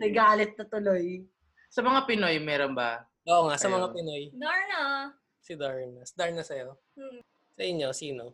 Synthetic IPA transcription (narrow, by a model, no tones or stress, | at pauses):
nɐjɡaːlɪt̪̚nɐt̪ʊloj | sɐmɐŋapɪno̞jmɛːɾonbɐ | ʔoːʔŋaʔsɐmɐŋapɪnojd̪aɹnɐ | sɪd̪aɹnɐsd̪aɹnɐsɐjo | sɐʔɪɲjo̞siːno